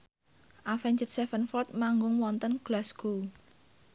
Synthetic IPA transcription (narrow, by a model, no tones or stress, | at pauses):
ʔafɛɲd͡ʒət̪̚sɛfənfɔrt̪̚maŋɡʊŋwɔnt̪ənɡ̥lasɡu